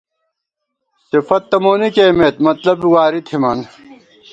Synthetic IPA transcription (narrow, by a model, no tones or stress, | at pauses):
sifɐt̪ːɐmoːnikeːmet̪mɐt̪lɐbiwaːɾit̪ʰimɐn